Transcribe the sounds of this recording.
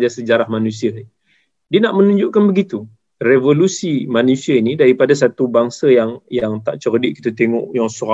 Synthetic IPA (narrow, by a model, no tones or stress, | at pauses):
d͡ʒasəd͡ʒaɾahmanũsia | dianaʔmə̃nũɲd͡ʒʊʔkanbəɡit̪u | revolusimanũsiainĩdaɾipadas̬at̪ubaŋsajaŋjaŋt̪aʔt͡ʃərdiʔki̥t̪at̪eŋɔ̰ʔjaŋsuɾa